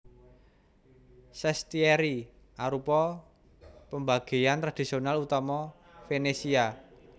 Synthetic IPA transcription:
sɛst̪iɛɾi | aɾupɔ | pəmbaɡ̥e̤jant̪ɾad̪̥i̤sionalut̪amɔ | fenesia

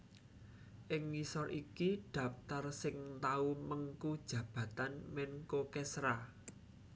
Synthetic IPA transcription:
ʔɪŋːisɔɾʔikiɖ̥ä̤ft̪arsɪŋt̪auməŋkud̥ʒ̥ä̤b̥ä̤t̪anmɛnkokɛsɾa

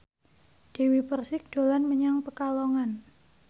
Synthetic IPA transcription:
d̥ewipərsɪk̚d̥o̤lanməɲaŋpəkaloŋan

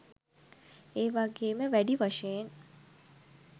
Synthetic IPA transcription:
eːʋaɡeːməʋæɖiʋaʃejen

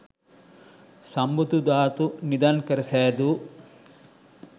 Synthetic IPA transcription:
sɐmbut̪ud̪aːt̪unid̪ankɐɾiseːɐd̪u

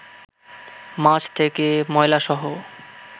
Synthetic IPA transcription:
mat͡ɕʰt̪ʰekemɔejlaʃɔɦo

